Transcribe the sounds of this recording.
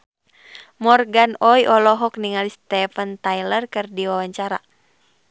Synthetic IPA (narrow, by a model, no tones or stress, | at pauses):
mɔrɡanɔjʔɔlɔɦɔkniŋalist̪ɛfənt̪ajlərkɨrdiwawaɲt͡ʃaɾa̰